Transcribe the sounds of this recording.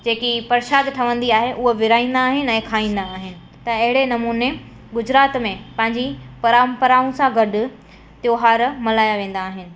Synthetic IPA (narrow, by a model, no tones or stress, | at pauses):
d͡ʑeːkipɐɾʃaːd̪ʈʰɐʋə̃nd̪iaːɦeʔʊɦoʋɪɾaːĩːn̆d̪aːɦɪnɪ̆ɛ̃ːkʰaːĩːn̆d̪aːɦɪnɪ̆ | t̪ɐɐɦɪɽenɐmuːne | ɡʊd͡ʑɾaːt̪mẽpɐ̃ɦɪ̃ɲd͡ʑipɐɾampəɾaːũsãɡɐɖʊ̆ | t̪joːɦaːɾmɐlaːjaʋẽːn̆d̪aːɦɪnɪ̆